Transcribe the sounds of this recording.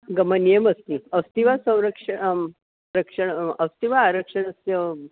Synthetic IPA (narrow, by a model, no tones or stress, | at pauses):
ɡəmənjeməst̪iəst̪iʋasə̃w̃ɾəkʂə | ɾəkʂəɳəst̪iʋaːɾəkʂəɳəst̪jə